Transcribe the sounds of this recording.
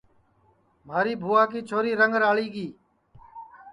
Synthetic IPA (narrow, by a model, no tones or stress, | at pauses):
maːɾiːbʱuːaːkiːt͡ʃʰoːɾiːɾəŋɡɾaːɭiːɡiː